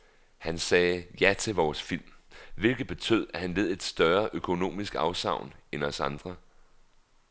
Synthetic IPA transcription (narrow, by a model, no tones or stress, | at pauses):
hænsɛːjæt͡sʰe̝lʋɒːsfil̰mʋe̝lɡ̥ð̩ˠb̥e̝t͡sʰø̰ð̰ˠæhænʋe̝ð̞̰ˠe̝d̥sd̥ɶɐʔøkʰo̝no̝̰ːmisɡ̥ɑ̈ʊsɑ̈ʊ̰nenɒ̽sɑ̈nd̥ʁɐ